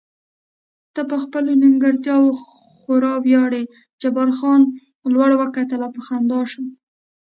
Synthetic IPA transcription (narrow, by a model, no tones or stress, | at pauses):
t̪əpəxpəlonɪŋɡaɾt̪jɑwo | xoɾɑwjɑɽe | d͡ʒabaɾxɑn | lwaɽwəkat̪əlapəxand̪ɑʃu